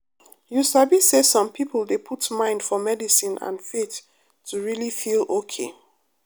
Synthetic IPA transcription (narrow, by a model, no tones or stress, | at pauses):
jusabisesɔ̃mpʰiplˠdepʰutmãɪ̃nd̥fɔmɛdisĩnʔã̰nfetʰː | uɹilifilokʰe